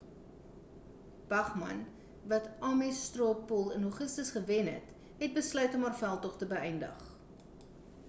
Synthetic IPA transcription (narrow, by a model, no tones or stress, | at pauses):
b̥ɐχmɐ̰n | vɐtɑːmɛstropɔlˠənɦoχəstəsχəvɛnɦɛ̰t | ɦɛt̚bəslœɥtɔmɦæːrfælˠtɔχtəbəɛjndə̰χ